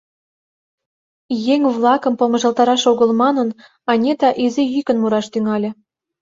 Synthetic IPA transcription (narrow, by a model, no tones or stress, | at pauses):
jeŋβlˠɑkə̆mpomə̆ʒɑlˠt̪ɑɾɑʃoɣə̆lmɑnə̆n | ɑnʲet̪ɑʔizejykə̆nmuɾɑʃt̪yŋɑlʲĕ